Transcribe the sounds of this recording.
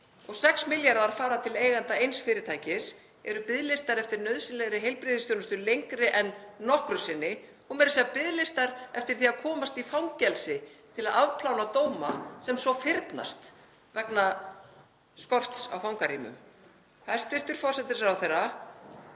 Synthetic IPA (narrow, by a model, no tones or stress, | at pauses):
ɔɣsɛksmɪljaɾaaɾ̥faːɾat̪ʰɪleːjɣant̪aejnsfɪːɾɪt̪ʰaːjcɪs | ɛɾʏpɪðlɪst̪aɾɛft̪ɪɾnœɥðsɪnlɛɣɾɪɦejlpɾɪːðɪst̪jownʏst̪ʏlejŋkɾɪʔɛnːɔhkɾʏsɪnːɪ | ɔɣmɛːɾɪsɛapɪðlɪst̪aɾɛft̪ɪɾ̥θiaðkʰɔːmast̪ifawŋcɛlsɪt̪ʰɪlaðavpʰlawnat̪oːwma̰sɛmsɔfɪɾt̪na̰st̪ | vɛkna | skɔr̥t̪sa̰wfawŋkariːmʏ̰m | θaðɛ̥ɾst̪ɪr̥t̪ʏɾ̥fɔr̥sɛt̪ɪsawθejrːa